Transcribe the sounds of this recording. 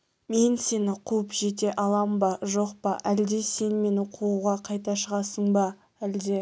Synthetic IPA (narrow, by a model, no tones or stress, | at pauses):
me̞nse̞nɪqʰuəpʒe̞t̪̬e̞ʔɑlˠɑmbɑʒo̞qpɑʔæld̪e̞se̞nme̞nɪqʰuuʁɑqʰɑjt̪ɑʃəʁɑsəɴbɑ | æld̪e̞